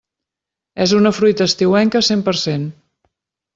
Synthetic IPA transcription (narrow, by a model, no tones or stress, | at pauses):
ɛzunəfɾujt̪əːst̪iwɛŋkəsempəɾsen